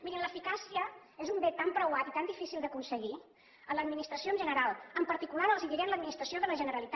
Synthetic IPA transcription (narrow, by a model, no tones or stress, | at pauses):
miɾimləfikasiəezumbet̪ːampɾəwat̪it̪and̪ifisilˠd̪əkunsəɣi | ənləd̪minist̪ɾəsioənʒənəɾalˠəmpəɾt̪ikulaɾəlˠziðiɾɛənləd̪minist̪ɾəsioðələʒənəɾəlit̪a